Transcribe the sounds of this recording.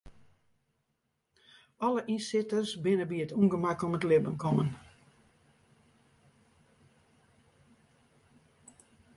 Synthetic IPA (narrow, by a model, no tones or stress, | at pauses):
ɔləʔinsɪtəsbɪnəbiətʰuŋɡəmakomətlɪbənkʰɔmən